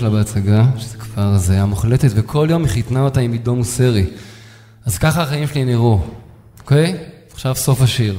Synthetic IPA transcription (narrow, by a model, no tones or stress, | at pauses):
labeat͡saɡaʃezekv̥aʁzajamuχle̞tetvekʰo̞ljo̞miχitnaotaimido̞museʁi | azkaχaaχajimʃeliniʁu | oke̞j | aχʃavso̞faʃiʁ